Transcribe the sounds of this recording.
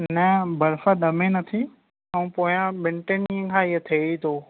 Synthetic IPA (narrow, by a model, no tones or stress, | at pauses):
nəbɐɾfəd̪ɐmẽnɐt̪ʰi | ɐ̃ũpoːjãɓɪ̃ɳʈeniə̃kʰãːiət̪ʰeːit̪ʰoː